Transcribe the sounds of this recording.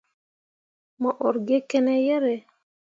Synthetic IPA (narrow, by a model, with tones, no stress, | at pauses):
mɔ˨ʔɔ˨ɾɡe˦kɛ˦nɛ˦jɛ˦ɾɛ˨